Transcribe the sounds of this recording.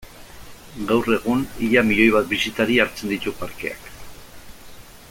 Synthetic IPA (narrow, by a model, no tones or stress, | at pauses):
ɡawre̞ɣuniʎamiʎo̞jβat̪̚bisit̪aɾiaɾt͡se̞nd̪it̪upaɾke̞̰a̰k